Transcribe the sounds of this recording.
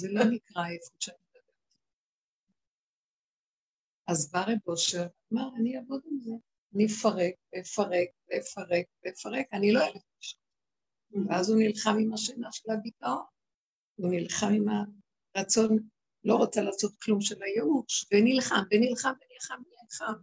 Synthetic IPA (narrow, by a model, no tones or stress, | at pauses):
zelo̞nikʁaefuʃeanid̪abeʁt̪a | azbaʁebo̞ʃeʁ | maʁaniavod̪imze | anifaʁek̚vefaʁek̚vefaʁe̞k̚veefaʁe̞kaniloevet̪̚paʃo̥ | veazunilχamimaʃanaʃelabitao̞n | unilχamima | ʁat͡so̞n | lo̞ʁat͡salaːso̞t̪klumʃe̞lajeuʃvenilχamvenilχamvenilχamimilχam